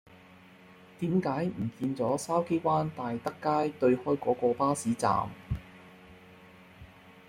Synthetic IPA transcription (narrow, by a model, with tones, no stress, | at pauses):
t̪iː˨˥mkaː˨˥jm̩˨˩kiː˧nt͡sɔː˨˥saː˥wke˥kʷwaː˥nt̪aː˨jt̪ɐ˥kːaː˥jt̪ɵ˧ɥhɔː˥jkɔː˨˥kɔː˧paː˥siː˨˥t͡sa̰ː˨˩m